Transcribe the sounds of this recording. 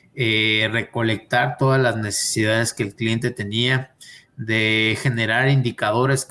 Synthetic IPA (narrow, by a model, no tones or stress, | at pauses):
ere̞ko̞le̞k̚t̪aɾt̪o̞ðazlazne̞se̞̥siðaðe̞ske̞ːlklijent̪e̞t̪e̞nia | ðe̞xe̞ne̞ɾaɾind̪ikaðo̞ɾe̞s